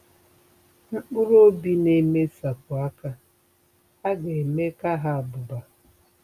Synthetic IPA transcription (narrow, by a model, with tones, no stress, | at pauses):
ŋ͡m̩˦k͡pʊ˦ɾo˦bi˦ne˦me˦sa˨kʊ˨a˦ka˦ | a˦ɡe˨me˦ka˦ɦa˦a˨bʊ˨ba˨